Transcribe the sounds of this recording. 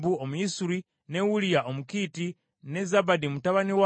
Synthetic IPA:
buomuisuɾi | newulijaʔomukiːti | ne̞zabadimutaβaniwa

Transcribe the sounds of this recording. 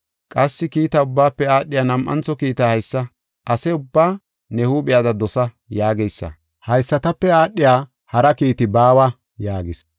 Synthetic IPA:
kʼɐsːɪkiːt̪ɐʊbːaːpːɛaːɗːɪjaːnɐmʔːɐ̰nt͡sɔkiːt̪ɐhɐjsːɐ | ʔɐsɛʊbːaː | nɛhuːɓɪjaːd̪ɐd̪ɔsɐ | jaːɡɛjsːɐ̰ | hɐjsːɐt̪ɐpːɛaːɗːɪjaː | hɐɾɐkiːt̪ɪbaːwɐ | jaːɡɪs

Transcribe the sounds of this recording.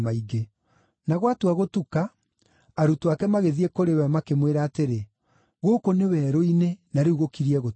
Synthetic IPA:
maiɡe | naɣwatuwaɣotukaː | ɾutwakɛmaɣeðiekoɾewɛmakemweɾaːteɾe | ɣoːkonewɛːɾoinenaɾeuɣokiɾiɛɣo

